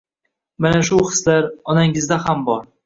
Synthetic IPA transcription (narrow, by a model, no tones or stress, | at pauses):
manaʃʊhɨ̥slaɾɒnaŋɪzd̪ahambɒɾ